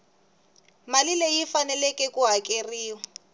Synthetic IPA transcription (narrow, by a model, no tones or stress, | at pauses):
malilejifanɛlɛkʼɛkʼuɦakʼeriːwa